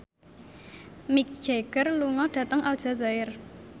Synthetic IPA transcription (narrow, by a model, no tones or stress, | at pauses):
mik̚d̥ʒ̥eɡ̥ərluŋɔɖ̥ä̤t̪əŋʔald̥ʒ̥a̤zaɪr